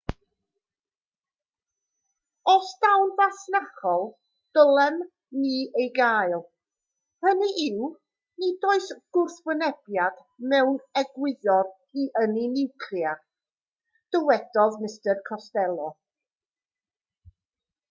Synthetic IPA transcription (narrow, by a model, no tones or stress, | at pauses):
ɔsd̥awnvasnaχɔlˠ | d̥əlˠɛm | niːejɡaːɨlˠ | həniʔɪw | nidoːɨsɡ̥ʊrθbwənɛb̥jad̥ | mɛwnɛɡwɪðɔr | iʔəninɪwkʰrja | d̥əwɛd̥ɔðmɪstərkʰɔstɛlˠɔ